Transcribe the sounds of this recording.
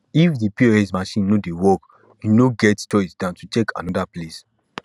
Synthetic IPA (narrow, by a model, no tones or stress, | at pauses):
ifdipioɛsmaʃĩnnodewɔk | junoɡɛttɔisdãʊ̃ntutekʰã̰nɔdaples